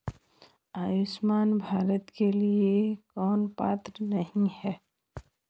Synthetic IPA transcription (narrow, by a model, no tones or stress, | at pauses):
aːjʊʃmaːnbʱaːɾət̪keliekɔːnpa̰ːt̪ɾənɐɦĩhɛː